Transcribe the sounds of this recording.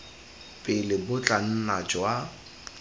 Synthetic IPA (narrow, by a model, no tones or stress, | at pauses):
pʼɪlɪbʊt͡ɬʼan̩nat͡ʃʼwa